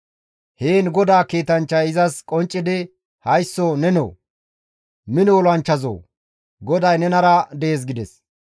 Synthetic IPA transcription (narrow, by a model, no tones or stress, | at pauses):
heːnɡɔd̪aːkiːt̪ɐnt͡ʃːɐjɪzɐskʼɔnt͡ʃʼːɪd̪ɪ | hɐjsːoːnɛno̰ː | mɪnoːlɐnt͡ʃːɐzo̰ː | ɡɔd̪ɐjnɛnɐɾɐd̪ɛeːs̬ɡɪd̪ɛs